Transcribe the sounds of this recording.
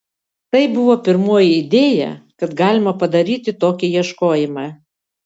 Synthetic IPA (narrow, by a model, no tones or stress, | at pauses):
t̪ɐɪbʊʋoːpʲɪɾmoːjɪɪd̪ʲeːjɛ̰kɐt̪ɡɑːlʲɪmɐpɐd̪ɐɾʲiːt̪ʲɪt̪oːkʲɪjiɛʃkoːjɪmɑː